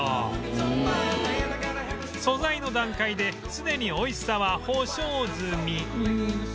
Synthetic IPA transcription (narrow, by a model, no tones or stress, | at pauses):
so̞zaino̞d̪ãŋkaid̪e̞ | sɨd̪e̞ɲ̟io̞issaβaho̞ːɕoːzɨmʲi